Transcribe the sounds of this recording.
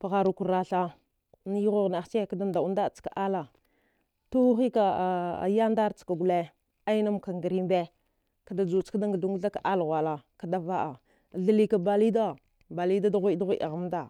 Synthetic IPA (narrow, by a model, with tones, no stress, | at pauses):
pa˨ɣa˨ɾu˨ku˨ɾɾa˨ɬa˦ | n˦jɣo˦ɣna˨xt͡ʃe˦˨ka˦da˦nda˨u˦nda˦˨t͡ska˨ʔa˦la˨ | tu˦xi˦ka̰˨ja˦nda˦ɾt͡ska˨ɡu˨le˦ | a˦i˦na˦mka˨ŋɡə˨ɾi˦mbe˦ | ka˨da˨d͡ʒu˨t͡ʃka˦da˦ŋɡə˨u˦ŋɡu˦ɬa˦ka˨ʔa˦lɣʷa˨la˨ka˨da˦va˦ʔa˨ | ɮə˦li˦ka˨ba˨li˦da˦ | ba˨li˦da˦da˦ɣʷi˦da˦ɣʷi˦ʔa̰˨ɣa˦m˦da˨